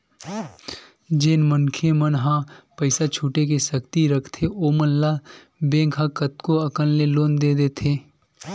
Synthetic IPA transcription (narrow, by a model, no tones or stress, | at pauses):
d͡ʒeːnmənkʰemənɦãpəɪsat͡ʃʰuːʈek̬esəkt̪iɾəkʰt̪ʰeʔoːmənla | bẽːkʰɦãkət̪koɐkənleloːnd̪eːd̪eːt̪ʰeː